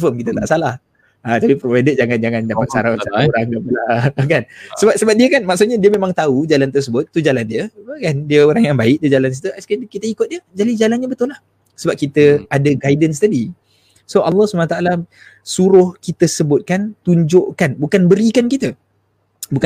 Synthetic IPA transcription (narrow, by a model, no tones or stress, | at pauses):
fəmkit̪ət̪a̰ʔsalah | at̪apipɾovajdəd͡ʒaŋand͡ʒaŋandapat͡ʃaɾaaaoɾaŋdapəlakansəbap̚səbap̚diəkanmaʔksut̪̚ɲadiəmẽmãŋt̪aud͡ʒalant̪̬ərs̬əbʊt̪̚ːud͡ʒalandiəəkandiəoɾaŋjaŋbaɪk̚diəd͡ʒalan̬it̪əaskakit̪əikʊt̪̚diəd͡ʒalɪsd͡ʒalanɲabət̪ʊlah | səbap̚kit̪əadaɡajdəns̬t̪adi | soʔalːɔhsubanat̪aʔala | suɾʊhkit̪əsəbʊt̪̚kant̪uɲd͡ʒoʔkanbukanbəɾikankit̪ə | buka